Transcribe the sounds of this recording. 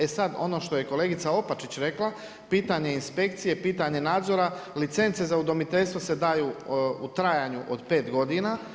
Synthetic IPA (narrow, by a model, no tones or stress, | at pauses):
esad̪o̞̰no̞ːʃt̪o̞je̞ko̞le̞ːɡit̪sao̞pat͡ʃit͡ɕɾe̞klˠa | piːt̪aɲe̞inspe̞kt̪sije̞piːt̪aɲe̞naːd̪zo̞ɾalit̪se̞nt̪se̞zaud̪o̞mit̪e̞ʎst̪ʋose̞d̪aːjuːut̪ɾajaɲuʔo̰d̪pe̞ːt̪ɡo̞d̪ina